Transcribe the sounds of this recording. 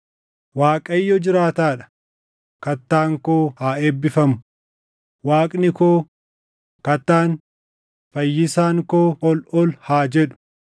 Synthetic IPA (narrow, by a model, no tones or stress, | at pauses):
waːkʼɐjːɔd͡ʒɪɾaːt̪aːᶑɐ̥ | kɐt̪ːaːŋkoːhaːeːbːɪfɐmʊ | waːkʼnɪkoː | kɐt̪ːaːn | fɐjːɪsaːŋkoːɔlɔlhaːd͡ʒɛᶑʊ̥